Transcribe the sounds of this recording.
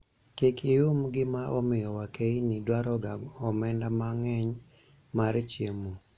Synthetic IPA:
kikiumɡɪmaʔɔmɪjɔwakeinidwaɾɔɡaɔmɛndamaŋɛɲ | maɾt͡ʃjemo

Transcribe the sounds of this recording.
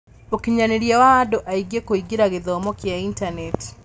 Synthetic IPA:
okiɲaneɾjawaːdoʔaiɡekoiɡiɾaɣeðɔːmɔkjaintaneti̥

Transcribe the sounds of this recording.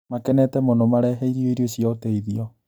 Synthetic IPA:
makɛnɛtɛmonomaɾɛɦɛiɾioiɾioɕiaoteiðiɔ

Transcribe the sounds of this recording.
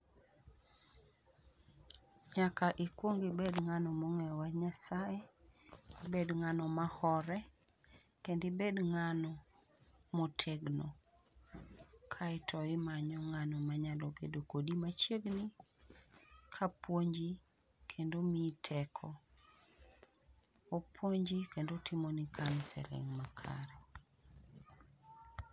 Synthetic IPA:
ɲakaʔikwoŋɡebedŋanɔmoŋɛɔwaɲasae | bedŋanɔmahɔɾɛ | kendɪbedŋanɔ | motʰeɡno | kʰaɪtʰɔɪmaɲɔŋanɔmaɲalɔɡḛdokodimat͡ʃeɡni | kʰapwoɲd͡ʒi | kʰendomitʰɛkʰɔ | opʰwoɲd͡ʒikendotɪmonikʰansɛ̰lɪ̰ŋmakʰa̰ɾɛ

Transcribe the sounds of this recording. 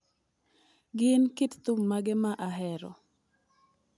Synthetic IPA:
ɡɪnkitt̪ummːaɡɛmaʔaɦɛɾɔ̰

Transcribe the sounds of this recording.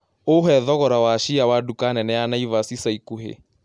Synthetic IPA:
oɦɛðɔɣɔɾawaʃiawadukanɛnɛjanaivasisaikuɦḛ

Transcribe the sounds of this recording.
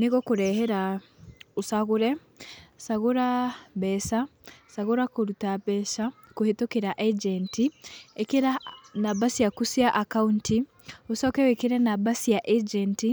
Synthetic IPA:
niɣɔkuɾɛhɛɾa | usaɣuɾɛ | saɣuɾabɛsasaɣuɾakoɾutabɛʃa | kuhetokiɾaʔɛd͡ʒɛntiekiɾanabasiakusiaʔakaunti | usɔkɛwekiɾɛnabasijaʔed͡ʒɛnti

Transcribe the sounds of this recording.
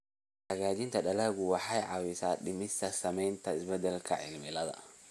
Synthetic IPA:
hɐɣaːd͡ʒɪnt̪ʰɐɗɐlɐːɣʊwɑħɑjʕɑwɪsaːɗɪmɪst̪ʰɐsɐmɛjnt̪ʰɐɪsbɛd̪ɛlkʰɐ̰ʕɪ̰lmɪlɐðɐ̰

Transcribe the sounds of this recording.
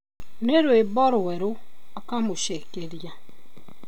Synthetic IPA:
neɾwebɔɾʊwɛɾʊakamʊʃekeɾja

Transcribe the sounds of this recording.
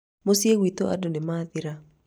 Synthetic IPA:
mosjewit̪oa̰donɪmaðɪɾa

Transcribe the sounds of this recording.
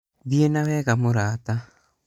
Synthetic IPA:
ðjenawɛːɣamoɾaːta

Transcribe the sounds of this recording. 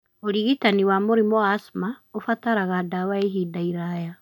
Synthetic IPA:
oɾiɣitaniwamoɾimɔasmaofataɾaɣadawaeɦidaiɾaja

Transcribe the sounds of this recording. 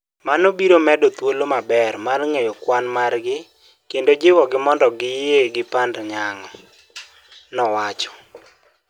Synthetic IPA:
manobiɾomɛdɔt̪wolomabɛrmarŋejɔkwanmarɡɪ | kendod͡ʒɪwɔɡɪmɔndɔɡɪjeɡɪpandɲaŋɔ | nɔwat͡ʃɔ̥

